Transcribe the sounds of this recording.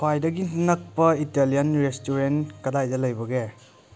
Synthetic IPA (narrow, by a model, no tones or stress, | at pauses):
kʰwajdɐɡinɐk̚pɐitelijɐnɾestuɾenkɐdajdɐlɐjbɐɡe